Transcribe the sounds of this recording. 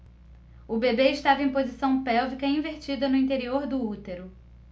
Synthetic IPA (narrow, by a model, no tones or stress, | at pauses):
ʊbebeɪʃt̪avɐẽj̃pozisɐ̃w̃pɛwvikɐĩveɾt͡ʃid̪ɐnʊĩt̪eɾioɾd̪ʊut̪eɾʊ